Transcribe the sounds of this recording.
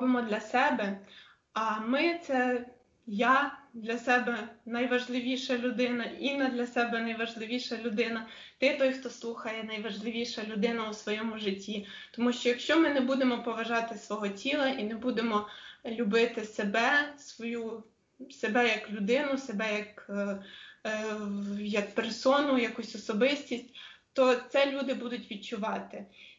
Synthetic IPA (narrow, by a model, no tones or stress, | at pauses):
bemɔd̪lʲɐsɛbɛ | ɐmɪt̪sɛ | jad̪lʲɐsɛbɛnɐjʋɐʒlˠɪʋʲiʃɐlʲʊd̪ɪnɐinːɐd̪lʲɐsɛbɛnɐjʋɐʒlˠɪʋʲiʃɐlʲʊd̪ɪnɐ | t̪ɪt̪ɔjxt̪ɔslˠuxɐjɛnɐjʋɐʒlˠɪʋʲiʃɐlʲʊd̪ɪnɐusʋɔjɔmʊʒɪtʲːi | t̪ɔmuʃt͡ʃɔjɐkʃt͡ʃɔmɪnɛbud̪emɔpɔʋɐʒɑt̪ɪsʋɔɦɔtʲilˠɐʔinɛbud̪emɔlʲʊbɪt̪ɪsebɛsʋɔju | sebɛjɐklʲʊd̪ɪnʊsebɛjɐk | jɐk̚persɔnʊjɐkusʲɔsɔbɪsʲtʲisʲtʲt̪ɔt̪sɛlʲud̪ɪbud̪ʊtʲʋʲid̪̚t͡ʃʊʋɑt̪ɪ